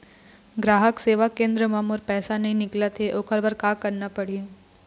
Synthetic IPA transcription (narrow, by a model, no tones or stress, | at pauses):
ɡɾaːɦəkseːʋakːẽːnd̪ɾəmamoːɾpɛːsanɐɦĩnɪklat̪ʰeʔokʰəɾbəɾkaːkɐɾnapɐɽ̤ie